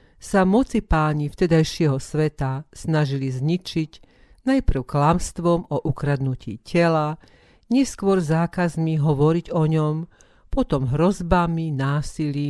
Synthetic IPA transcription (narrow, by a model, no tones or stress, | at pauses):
samɔt͡sipaːɲift̪ɛd̪ajʃɪɛɦɔsʋɛt̪asnaʒilizɲit͡ʃiɟ | najpr̩ʊklamst̪ʋɔmɔʔukɾad̪nucḭːcɛla | ɲɪɛskʊɔɾzaːkazmiɦɔʋɔɾiɟɔɲɔm | pɔt̪ɔmɦɾɔzbaminaːsiliː